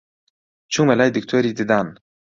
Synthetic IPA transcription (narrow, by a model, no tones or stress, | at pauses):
t͡ʃʰuŋmɛlajd̪ikt̪ʰeɾʲid̪id̪an